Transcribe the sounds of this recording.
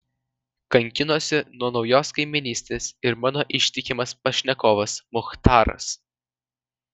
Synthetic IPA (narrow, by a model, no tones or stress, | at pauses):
kɐŋʲkʲɪnoːsʲɪnuɔnɒʊjoːskɐɪmʲɪnʲiːsʲt̪ʲeːsɪɾmɑːnoːʔɪʃʲt̪ʲɪkʲɪmɐspɐʃʲnʲɛkoːʋɐsmʊxt̪ɑːɾɐ̰s